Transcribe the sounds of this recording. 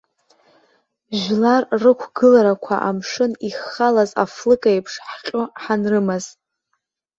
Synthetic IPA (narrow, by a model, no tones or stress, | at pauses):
ʒlarːɨkʷʰɡɨlaɾakʷʰa̰ʔamʂɨniχalaza̰flɨkʼajpʰʂħqʲʼoħanrɨmaz